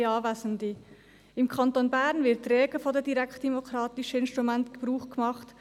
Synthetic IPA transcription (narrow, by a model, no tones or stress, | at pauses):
ɑːvæsəndi | ɪmkʰɑntonbɛɾnvɪɐtrɛːɡəfodɛdiɾɛkt̚d̥ɛmokʰɾɑːtɪʃəɪnstɾumɛntɡ̥əb̥ɾuːχɡ̥əmɑχt